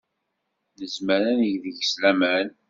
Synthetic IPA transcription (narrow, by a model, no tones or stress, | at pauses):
nəzməɾænəʝðəʝslæmæl